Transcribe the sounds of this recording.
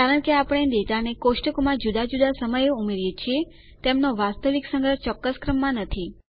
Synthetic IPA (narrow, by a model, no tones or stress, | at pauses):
kaɾəɳkeapəɽ̃ed̪et̪anekoʃʈəkomãd͡ʒud̪ad͡ʒud̪asəməjumeɾjet͡ʃʰie | t̪emnoʋast̪əʋiksəŋɡəɾt͡ʃɔkːəskɾəmːãnət̪ʰi